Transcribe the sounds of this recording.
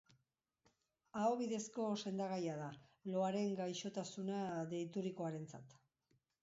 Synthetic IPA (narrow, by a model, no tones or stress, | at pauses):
aoβiðe̞sko̞se̞nd̪aɣ̞ajaðalo̞aɾe̞ŋɡajʃo̞t̪asunaðe̞jt̪uɾiko̞aɾe̞nt͡sa̰t̪